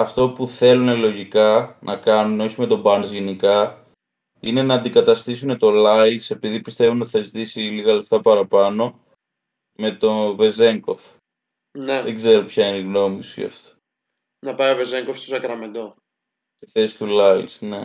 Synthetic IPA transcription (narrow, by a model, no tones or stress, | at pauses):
ɐft̪o̞puθe̞lune̞lo̞ʝikɐnʔɐkɐnuneo̞çime̞t̪o̞bɐnzʝe̞nikɐ | ine̞nɐːnd̪ikɐt̪ɐst̪isune̞t̪o̞lɐilse̞piðipist̪e̞vuneoiθɐzit̪isiliɣɐle̞ft̪ɐpɐɾɐpɐno̞ | me̞t̪o̞ve̞ze̞ŋko̞f | neðeɡze̞ɾo̞pçɐineiɣno̞misḭɐ̰ft̪o̥ | nɐpɐjovezeŋkofst̪osɐkɾɐmend̪o | st̪iθe̞si̥t̪ulɐilsne̞